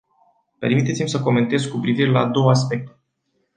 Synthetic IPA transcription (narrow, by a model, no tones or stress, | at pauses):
pe̞rmit̪et̪simsəko̞me̞nt̪e̞zkupɾiviɾe̞lad̪o̞wəas̬pe̞k̚t̪e